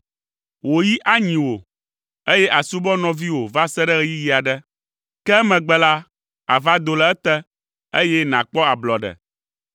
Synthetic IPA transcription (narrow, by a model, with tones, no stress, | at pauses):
wo˨ji˦ʔa˦ɲĩ˨wo˨ | e˦jɛ˦ʔa˨su˦bɔ˦nɔ̃˨vi˦wo˨va˦sɛ˦ɖɛ˦ɣɛ˦ji˦ji˨a˨ɖɛ˦ | kɛ˦mɛ̃˨ɡ͡bɛ˦la˦ | a̰˨va˦d̪o˨lɛ˨ɛ˦t̪ɛ˦ | e˦jɛ˦nã˨k͡pɔ˦a˨blɔ˨ɖɛ̰˨